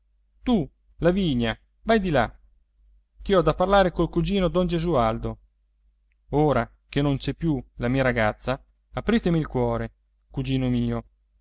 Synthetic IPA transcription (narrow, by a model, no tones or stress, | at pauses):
t̪u | laviːɲːa | vajd̪ila | k̟iɔd̪apːarlaːɾekolkud͡ʒiːnod̪ɔnd͡ʒezuald̪o | oːɾa | k̟enːont͡ʃɛpːjulamiːaɾaɡat̪sːaː | pɾiːt̪emiilkwɔːɾe | kud͡ʒiːnomiːo